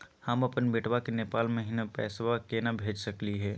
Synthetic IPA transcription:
hɐmɐpənbɪʈʋakenepaːlmẽɦɪnapɛ̰ːsʋakeːnabʱeːd͡ʒsɐkliɦɛː

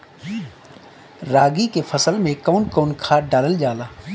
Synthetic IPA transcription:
ɾaːɡikefʰɐsəlmẽkaʊnkoːnkʰaːɖaːləld͡ʒaːlaː

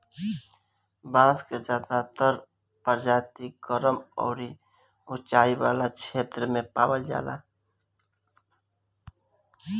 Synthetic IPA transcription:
bãːsked͡ʒaːd̪at̪əɾ | pəɾd͡ʒaːt̪iɡ̥əɾəmɔ̰ːɾi | ʊt͡ʃaːiwaːlakʰeːt̪ɾəmẽpa̰ːwəld͡ʒa̰ːla̰ː

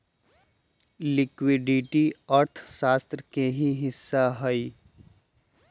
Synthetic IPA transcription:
lɪkwɪɖɪʈiəɾt̪ʰʃaːst̪ɾəkeɦiɦɪsːaɦəi

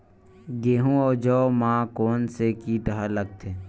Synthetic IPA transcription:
ɡeːɦũɔːd͡ʒɔːmãːkoːnsekiːʈ̪əɦaləɡ̚t̪ʰeː

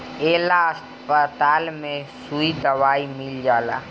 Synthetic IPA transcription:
eːlaəs | pət̪aːlmẽsuid̪ɐʋaːimɪld͡ʒaːla̰ː

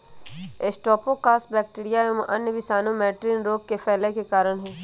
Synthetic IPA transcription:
esʈɔːpõkaːsbɛːk̚ʈiːɾijaẽmʔɐnjəʋɪsaːnõmɛːʈɾiːnɾoːɡ̚kefʰɛːlakekaːɾəɽ̃ɦɛː

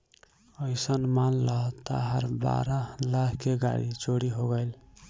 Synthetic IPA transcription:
əɪsənmanləɦt̪a̰ɦəɾba̰ɾalakʰkːeɡa̰ɽḭt͡ʃoɽiɦoɡəɪl

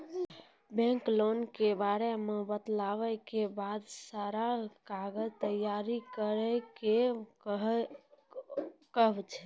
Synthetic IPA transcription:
bẽŋklonkebaɾemebət̪laʋɛkebad̪saɾakaɡəd͡ʒt̪əjaɾikəɾɛkeɦ | kəɦbt͡ʃʰɛ̥

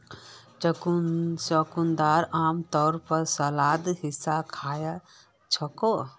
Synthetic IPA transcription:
t͡ʃkt͡ʃɔkund̪aɾaːmt̪ɔɾpəɾsəlad̪hisakʰaːja | t͡ʃʰɔko

